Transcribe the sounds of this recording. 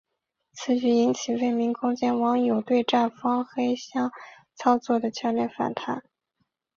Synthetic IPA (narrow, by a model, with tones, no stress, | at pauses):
t͡sʰɹ̩˧˥t͡ɕy˥˩i˧˥nt͡ɕʰi˨˩we˥˩ɪmi˧˥ŋkʰʊ˥ŋt͡ɕjɛ˥nwɑ˧˥ŋjo˨˩ʊt̪we˥˧ɪʈ͡ʂa˥˩nfɑ˥ŋxe˥ɪɕjɑ˥ŋ | t͡sʰɑ˥ʊt͡swɔ˥˩d̪ə˩t͡ɕʰjɑ˧˥ʊljɛ˥˩nfa̰˨˩nt̪ʰa˧˥n